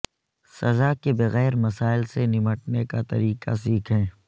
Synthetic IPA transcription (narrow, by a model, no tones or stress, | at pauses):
sɐzaːkebɐɣɛːɾmɐsaːɪlsenɪməʈ̚nekat̪ɐ̰ɾiːqa̰s̬iːkʰɦɛ̃ː